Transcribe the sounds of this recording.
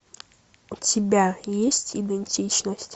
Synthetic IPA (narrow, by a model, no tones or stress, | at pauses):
ʊtʲɪbʲajesʲtʲid̪ɛnʲtʲit͡ɕnəsʲtʲ